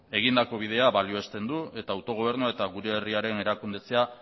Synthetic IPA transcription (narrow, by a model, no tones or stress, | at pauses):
e̞ɣ̞ind̪ako̞β̞ið̞e̞aβalioest̪e̞nd̪ue̞t̪aːwt̪o̞ɣo̞β̞e̞ɾnuae̞t̪aɣ̞uɾe̞ːriaɾe̞ne̞ɾakund̪e̞t͡se̞a